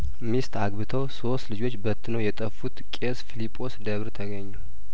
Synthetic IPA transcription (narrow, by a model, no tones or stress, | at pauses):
mist̪ʰaɡbɨt̪ʰəwso̞st̪lɨd͡ʒo̞t͡ʃːbət̪ʰːɨnəjɛt̪ʼəfːut̪kʼesfilipʼo̞sd̪əβɾt̪ʰəɡəɲːu